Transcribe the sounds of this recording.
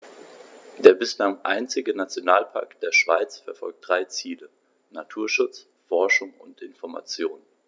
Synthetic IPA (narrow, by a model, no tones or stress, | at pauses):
d̥eːɐbɪslaŋʔa̰ɪnt͡sɪɡənat͡sjonaːlpʰa̰ːkd̥eːɐʃv̥aɪt͡sfɛɐfɔ̰lk̚t̚d̥ʁaɪt͡siːlə | natʰuːɐʃʊt͡s | fɔɐʃʊŋʊ̰ntʔɪnfɔɐma̰t͡sjoːn